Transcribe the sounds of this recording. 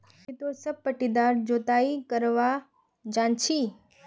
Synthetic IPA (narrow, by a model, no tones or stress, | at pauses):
it̪osəb̚pəʈid̪aːɾd͡ʒoːt̪aːikəɾʋa | d͡ʒãːnt͡ʃʰiː